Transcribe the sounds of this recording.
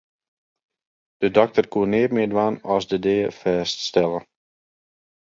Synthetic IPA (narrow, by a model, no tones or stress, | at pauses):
d̥ədɔk̚tərkuənɪːrmɪːdʋaːnɔsdədɪːəfɛːststɛlə